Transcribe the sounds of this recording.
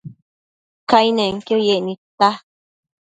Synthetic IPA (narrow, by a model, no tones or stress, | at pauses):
kajnẽŋkjojeʔnĩt̪a